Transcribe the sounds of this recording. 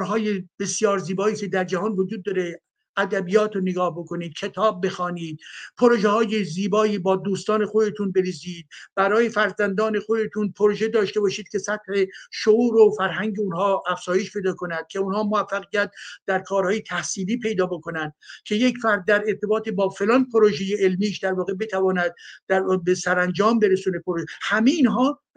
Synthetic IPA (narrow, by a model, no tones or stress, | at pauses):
ɾɦɒːjeb̥esjɒːɾziːbɒːiːsʰed̪æɾd͡ʒæhɒːnvod͡ʒuːd̪̚ːɒːɾe̞ | æd̪æbijɒːt̪ʰoneɡɒːhbo̞kʰo̞niːd̪̥̚cʰe̞t̪ʰɒːb̚ːe̞xɒːniːd̪̥̚pʰoɾoʒehɒːjeziːbɒːiːbɒːd̪uːst̪ɒːne̞xod̪e̞t̪ʰunbe̞ɾiːziːd̪̚bæɾɒːjefæɾzænd̪ɒːne̞xo̞d̪e̞t̪ʰunpʰoɾoʒe̞d̪ɒːʃt̪e̞bɒːʃiːd̪̥̚kʰʲe̞sæt̪̚heʃouːɾofæɾɦæŋɟeunɦɒːæfz̥ɒːje̞ʃpʰe̞jd̪ɒːkʰo̞næd̪̥̚cʰe̞unhɒːmoæfːæɣijæt̪̚d̪̥æɾkʰɒːɾhɒːjet̪ʰæhsiːliːpʰe̞jd̪ɒːbokonænd̪̥̚cʲʰe̞jecfæɾd̪̚ːæɾe̞ɾt̪ʰe̞bɒːt̪ʰebɒːfe̞lɒːnpʰoɾoʒejeelmiːʃd̪æɾvɒːɣe̞be̞t̪ʰævɒːnæd̪̚ːæɾbesæɾænd͡ʒɒːmbe̞ɾesuːnepoɾoʒehæmeiːnɦɒː